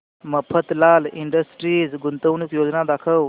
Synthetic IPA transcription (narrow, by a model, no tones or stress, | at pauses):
məpʰət̪laliɳɖəsʈɾiːd͡zɡunt̪əʋnukjod͡znad̪akʰəw